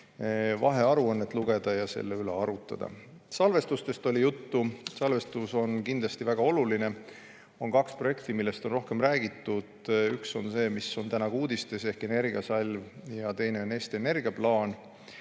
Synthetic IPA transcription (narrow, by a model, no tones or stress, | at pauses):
vɑɦe̞ɑɾuɤnːet̪ˑluɡe̞d̪̥ɑjɑse̞̰lːeyle̞ɑɾut̪ːˑɑ̰d̪ɑ̰ | sɑlve̞st̪ust̪e̞st̪o̞lʲijut̪ːusɑlve̞st̪uso̞nkind̪lɑst̪ivæɡ̥ɑo̞luline̞ | o̞nkɑkspro̞je̞kt̪imilːe̞st̪o̞nro̞hke̞mræːɡ̥it̪ːˑud̪̥ykso̞nse̞ːmiso̞nt̪ænɑɡuːd̪ist̪ese̞hke̞ne̞rɡ̥iɑsɑlʲvjɑt̪e̞jne̞o̞ne̞ːst̪iene̞rɡ̥iɑplɑːn